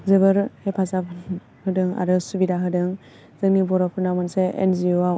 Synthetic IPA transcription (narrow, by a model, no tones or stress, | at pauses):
zɯbɯɾhepʰazapʰn | hɯdɯŋa̰ɾɯsubidaɦɯdɯŋ | z̥ɯŋnibɔɾɔpʰɯɾnamɯnseḛnziua